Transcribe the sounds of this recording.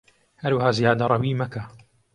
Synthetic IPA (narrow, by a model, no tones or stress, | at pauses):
hɐɾwahaːzijaːd̪ɐɾˤɑwiːmɐkʰa